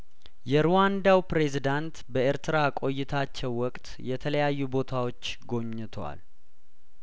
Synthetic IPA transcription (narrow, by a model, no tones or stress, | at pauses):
jɛɾuwand̪awpɾe̞zid̪ant̪bəeɾt̪ɨɾakʼo̞jːɪt̪ʰat͡ʃːɛwːɔkʼt̪ʼjɛt̪ʰələjajːubo̞t̪ʰawo̞t͡ʃːɡo̞ɲːɨt̪ʰwa̰l